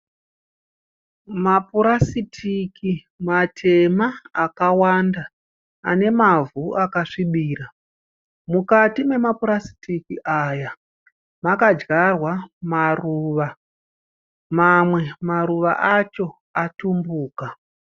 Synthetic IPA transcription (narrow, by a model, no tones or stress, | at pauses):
mapuɾasitʰiki | matʰe̞maːkawanda | ane̞mavuʔakaʂiɓiːra | mukatime̞mapuɾasi̥tʰikiʔaja | makad͡ʒɡarwamaruʋa | mamwe̞maɾuʋa̰ʔat͡ʃo̞ | atumbuːka